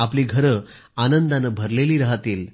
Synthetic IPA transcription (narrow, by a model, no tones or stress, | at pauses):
apliːɡʱəɾə | anənd̪anəbʱəɾleliːɾəɦat̪iːl